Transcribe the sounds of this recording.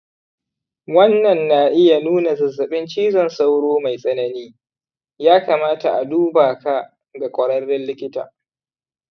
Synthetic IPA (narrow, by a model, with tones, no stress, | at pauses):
wɐ˦nːɐ˨nːa˨ʔɪ˦ja˨nuː˦na˨zɐ˨zɐ˨ɓɪ˦nt͡ʃiː˦zɔ˨nsa˦wɽoː˦ma˨jsʼɐ˦nɐ˦niː˦ | jaː˦kaː˨maː˦ta˨ʔa˨duː˦baː˨ka˦ | ɡa˨kʷʼɔ˨ɽɐ˦rːɪ˦nlɪ˦kʲɪ˦ta̰ː˨